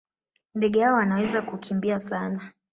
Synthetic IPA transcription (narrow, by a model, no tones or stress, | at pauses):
ndɛɠɛhaɔanawɛzakukʰimbiasana